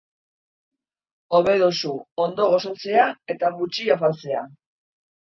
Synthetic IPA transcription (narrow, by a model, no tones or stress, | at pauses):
o̞βe̞ðosuond̪o̞ɣ̞o̞sat͡se̞ae̞t̪aβut͡ʃiafat͡se̞a